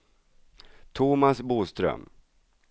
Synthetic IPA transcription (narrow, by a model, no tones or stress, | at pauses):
t̪ʰumasbuːst̪ɾœ̰m